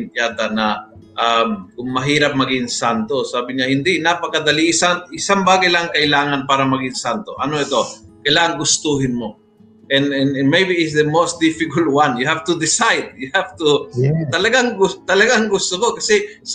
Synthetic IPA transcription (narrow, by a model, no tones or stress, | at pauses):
np̪jaːd̪anɐʔamkʊŋmɐɦiːɾap̚mɐɡɪŋsant̪osaːbɪɲahɪnd̪ɪʔnapɐkɐd̪ɐliʔɪsanʔɪsaŋbaːɡɐjlaŋkɐʔɪlaːŋanpaːɾɐmɐɡɪnsant̪oʔɐnoɛt̪okɐjlaːʔɐŋɡʊst̪uɦɪnmo | ʔɛnɛnmejbiɪsd̪ɐmosd̪ɪfɪkalt̪̚wanjʊhaft̪ʊd̪ɪsajd̪̚jʊhavt̪ut̪ɐlɐɡaŋɡʊt̪ɐlɐɡaŋɡʊst̪okokɐsɛs